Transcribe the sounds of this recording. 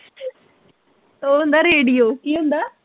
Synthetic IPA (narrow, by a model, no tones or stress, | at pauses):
t̪oːɦũnd̪aɾeːɽijoːkiːɦʊ̃nd̪aː